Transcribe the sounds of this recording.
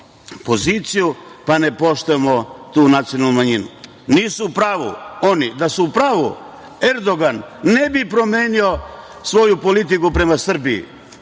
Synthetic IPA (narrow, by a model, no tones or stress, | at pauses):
po̞ziːt̪sijupane̞po̞ʃt̪oemo̞t̪uːnat̪sijo̞nalnumaɲinṵ | niːsuːpɾaːʋṵo̞nid̪asuːpɾaːʋṵ | eɾd̪o̞ɡanːe̞bipɾo̞me̞ːnio̞ | sʋo̞jupo̞lit̪ikupɾe̞masr̩biḭ